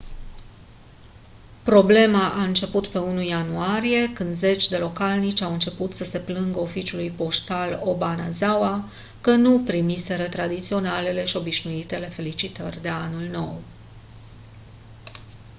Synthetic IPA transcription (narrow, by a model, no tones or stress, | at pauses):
pɾo̞ble̞maʔaɨnt͡ʃe̞put̪pe̞unujanuaɾije̞kɨnd̪ze̞t͡ʃʲd̪e̞lo̞kalnit͡ʃʲawɨnt͡ʃe̞put̪səse̞plɨŋɡəo̞fit͡ʃjulujpo̞ʃt̪alo̞banazawa | kənupɾimise̞ɾət̪ɾad̪it̪sio̞nale̞le̞ʃio̞biʃnuit̪e̞le̞fe̞lit͡ʃit̪ərʲd̪e̞anulno̞w